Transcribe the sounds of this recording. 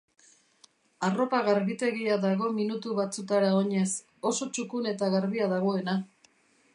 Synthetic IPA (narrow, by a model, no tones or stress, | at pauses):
aro̞paɣaɾβit̪e̞ɣiaðaɣ̞o̞minut̪uβat͡sut̪aɾao̞ɲe̞s | o̞so̞t͡ʃukune̞t̪aɣaɾβiaðaɣo̞e̞na